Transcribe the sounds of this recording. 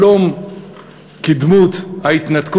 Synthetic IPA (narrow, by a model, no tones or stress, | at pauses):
om | kid̪mut̪hait̪nat̪k